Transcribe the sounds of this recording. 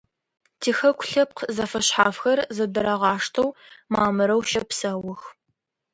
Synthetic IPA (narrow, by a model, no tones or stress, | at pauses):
tʰiːxɐkʷʰʊɬɐp̚qzɐfɐɕħaːfxɐrzɐdɐɾɐʁɑːʂtʰɐwmaːmɨɾɐwʃɐpsɐwʊx